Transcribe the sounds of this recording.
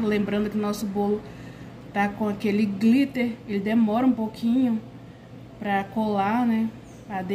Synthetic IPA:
lẽmbɾɐ̃nd̪ʊkɪʊnɔsʊbolʊ | t̪akõakelɪɡlit̪eɾelɪd̪emɔɾɐũpokʰĩɲʊ | pɾɐkolanɛ | ɐd̪e

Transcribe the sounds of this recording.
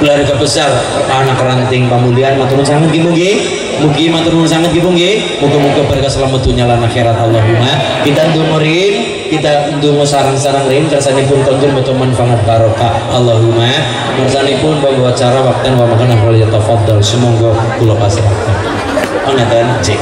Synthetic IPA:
bəlaɾikabəsar | anakrant̪ɪŋpamulianmat̪uɾʊnsaŋət̪̚ɡimuŋɡɪ | mukimat̪uɾʊnsaŋət̪̚ɡit̪uŋɡɪ | muɡamuɡabəɾkasəlamad̪uɲalanaxeɾat̪alːɔɦuma | kit̪and̪umɔɾɪn | kit̪and̪umɔsaɾaŋsaɾaŋrint̪əɾsanipʊnk̪and̪ʊbɔt͡ʃɔmanfaŋat̪̚baɾɔkaʔːlːɔɦuma | k̪əɾsalipʊnpaŋɡɔat͡ʃaɾawak̚t̪anwamakənaɦwaljat̪afɑd̪ːɔlsəmɔŋɡɔ | ɡ̥ulɔpasəɾa̰t̪a | pəŋat̪aand͡ʒɛ

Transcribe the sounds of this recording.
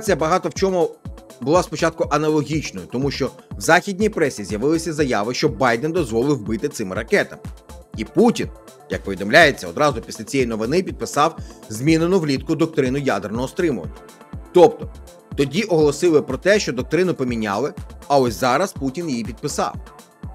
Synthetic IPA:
t͡sʲijɐbɐɦɑt̪ɔwt͡ʃɔmʊbʊlˠɑspɔt͡ʃɑt̪̚kʊʔɐnɐlˠɔɦʲit͡ʃnɔjʊt̪ɔmuʃt͡ʃɔwzɑxʲidʲnʲijpɾɛsʲizʲjɐʋɪlˠɪsʲɐzɐjaʋɪʃt͡ʃɔbɑjd̪end̪ɔzʋɔlˠɪwbɪt̪ɪt̪sɪmɾɐkɛt̪ɐmɪiputʲin | jɐk̚pɔʋʲid̪ɔmlʲajet͡sʲːɐɔd̪ɾɑzʊpʲisʲlʲɐt͡sʲjɛjnɔʋɪnɪpʲid̪̚pɪsɑwzʲmʲinenʊʋlʲit̪kʊd̪ɔk̚t̪ɾɪnʊjad̪ernɔɦɔst̪ɾɪmʊʋɐ̰nʲːɐ | t̪ɔpt̪ɔ | t̪ɔdʲiʔɔɦɔlˠɔsɪlˠɪpɾɔt̪ɛʃt͡ʃɔd̪ɔk̚t̪ɾɪnʊpɔmʲinʲa̰lˠɪɐɔsʲzɑɾɐsputʲinjijipʲid̪̚pɪsɑ̰w

